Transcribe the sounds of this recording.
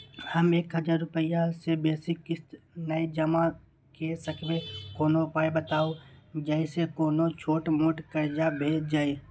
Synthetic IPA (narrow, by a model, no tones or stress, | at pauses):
hɐmeːkɦəd͡ʒaːɾːʊpəjasebeːsɪkːɪst̪ | nəid͡ʒəma | kesəkʰmẽkoːnopaːjbət̪aːod͡ʒəɪsekoːnot͡ʃʰoːʈmoːʈkəɾd͡ʒabʱeːd͡ʒd͡ʒaːe